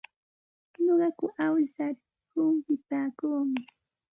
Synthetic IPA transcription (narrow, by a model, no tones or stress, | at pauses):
ɲoɢɑkʊʔawɪsaɾ | hʊmpɪpaːkuːmɪ